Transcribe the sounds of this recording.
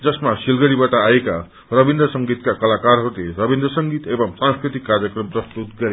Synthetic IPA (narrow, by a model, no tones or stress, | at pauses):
d͡zʌsmasilɡʌɽibaʈaːeka | rʌbind̪ɾʌsʌŋɡit̪kakʌlakaɾɦʌɾuleɾʌbind̪rʌsʌŋɡit̪ebʌmsãŋskɾit̪ikːaɾjʌkrʌmprʌst̪ut̪ɡʌɾe